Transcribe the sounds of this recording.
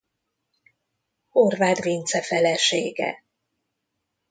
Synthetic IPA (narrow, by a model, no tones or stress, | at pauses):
horvaːd̪vint̪sɛfɛlɛʃeːɡɛ̰